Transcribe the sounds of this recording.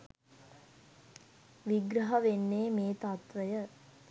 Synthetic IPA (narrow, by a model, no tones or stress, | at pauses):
ʋiɡɾɐɦɐʋenːeːmeːt̪at̪ʋəjə